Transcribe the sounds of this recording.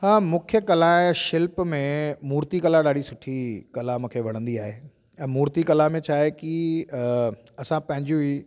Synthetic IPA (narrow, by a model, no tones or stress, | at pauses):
ɦaːmʊ̃kʰjəkɐlaʃɪlpmẽmuːɾt̪ikɐlaɗaːɽisʊʈʰikɐlamʊ̃kʰeːʋɐɽ̤̃ə̃nd̪iaːɦeː | ɛ̃ːmuːɾt̪ikɐlamẽt͡ɕʰaːɦeki | ɐsãpɐ̃ɦɪ̃ɲd͡ʑũi